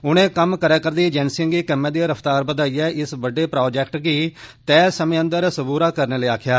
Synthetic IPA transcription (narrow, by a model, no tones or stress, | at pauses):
ʊñẽːkəmkəɾɛːkəɾd̪iːd͡ʒɛːnsɪ̃ŋɡiːkɛmɛ̃ːd̪iːɾəfʰt̪aːɾbəd̪aːiːɛːʔɪsʋəɖeːpɾoːd͡ʒɛːk̚ʈɡiːt̪ɛːsəmẽːə̃nd̪əɾsəbuːɾaːkəɾneːliːaːkʰjaː